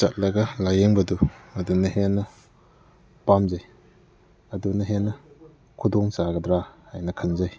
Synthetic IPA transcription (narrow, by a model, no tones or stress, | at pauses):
t͡ʃa̰t̚lɐɡɐlajeŋbɐduɐdunɐɦenːɐ | pamzaj | ɐdunɐɦenːɐ | kʰudɔŋsaɡɐdɾahajnɐkʰɐnzaj